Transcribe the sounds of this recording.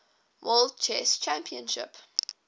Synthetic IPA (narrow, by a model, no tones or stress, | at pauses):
wʔɔldt͡ʃʰɛst͡ʃãmpʰiə̃nʃɪ̰p